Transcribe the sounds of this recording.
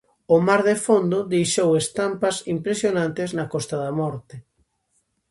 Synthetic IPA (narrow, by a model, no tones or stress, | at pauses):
ʊmaɾðefond̪ʊðejʃowest̪ampɐsimpɾesjonãnt̪eznɐkɔst̪ɐðamɔɾt̪e